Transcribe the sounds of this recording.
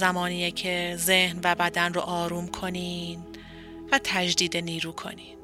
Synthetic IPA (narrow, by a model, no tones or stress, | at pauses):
zæmɒːniːjecʰe̞ze̞hnvæbæd̪ænroʔɒːɾuːmkʰo̞niːn | væt̪ʰæd͡ʒd̪iːd̪eniːɾuːkʰo̞̰niːn